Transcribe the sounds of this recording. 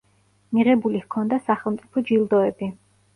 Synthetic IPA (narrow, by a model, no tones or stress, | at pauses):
miʁɛbulihkʰɔnd̪asaχɛlˠmt̪sʼipʰɔd͡ʒilˠd̪ɔɛbi